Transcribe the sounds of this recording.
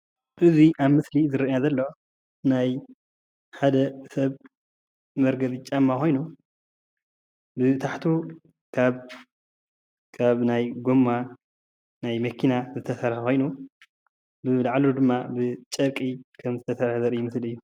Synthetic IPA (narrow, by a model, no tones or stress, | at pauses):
ʔɨziʔaβmɨslizɨɾɐjazɐlːo̞ | naj | ħad̪ɐsɐβ | mɐɾɡɐβit͡ʃʼamːaxʰo̞jnu | bɨt̪ʰaħt̪ʰu | kʰaβ | kʰaβnajɡomːa | najmɐkʰinazɨt̪ʰɐsɐɾħɐko̞jnu | bɨlaʕlud̪ɨmːabɨt͡ʃʼɐkʼikʰɐmzɨt̪ʰɐsɐɾhɐzɐɾɨjːumɨsliɨjːu